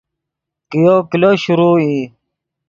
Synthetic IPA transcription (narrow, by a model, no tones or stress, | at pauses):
kijokiloɕuɾuːi